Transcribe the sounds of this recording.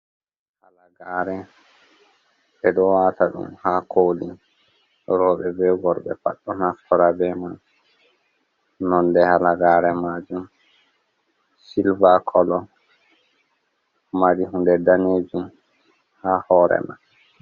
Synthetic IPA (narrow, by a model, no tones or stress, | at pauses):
halaɡaːɾɛ | ɓɛɗɔwaːtaɗṵmhaːkʰoːli | ɾɔːɓɛbɛɡɔɾɓɛ̰pa̰ɗːɔnafkɔɾabɛman | nɔndɛhalaɡaːɾɛmaːd͡ʒum | silbakʰɔlɔ | maɾiɦundɛdaneːd͡ʒum | haːhɔːɾɛ̰ma̰n